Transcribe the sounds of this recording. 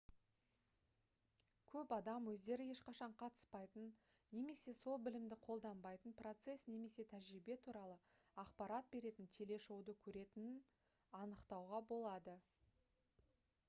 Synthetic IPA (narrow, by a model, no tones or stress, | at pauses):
kʲʰɵpɑd̪ɑmwɵzd̪e̞ɾɪje̞ʃqɑʃɑɴqʰɑt̪ə̥spɑjt̪ənː | e̞me̞se̞so̞lˠbɪlɪmd̪ɪqʰo̞lˠd̪ɑmbɑjt̪ənpro̞t̪se̞sne̞me̞se̞t̪ʰæʒɾibe̞t̪ʰuɾɑlˠə | ɑqpɑɾɑt̪̚be̞ɾe̞t̪ɪnt̪ʲʰe̞le̞ʃo̞wd̪əkʲʰɵɾe̞t̪ɪnɪn | ɑnəqt̪ɑwʁɑbo̞lˠɑd̪ə